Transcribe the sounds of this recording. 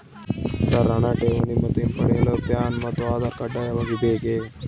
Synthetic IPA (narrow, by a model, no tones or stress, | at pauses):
saɾːaɳaʈeʋənimət̪empəɽeləpjaːnmɐt̪oaːd̪aɾkaɖajaʋaɡibʱeːɡe